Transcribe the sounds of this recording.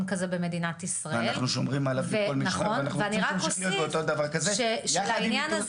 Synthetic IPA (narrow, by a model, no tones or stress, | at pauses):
nkɐzebeme̞dinat̪isʁaanealχnuʃomʁimalaveolmnɐχonnaχveaniʁakosijoieot̪od̪ɐvaʁkazeʃeʃlainjana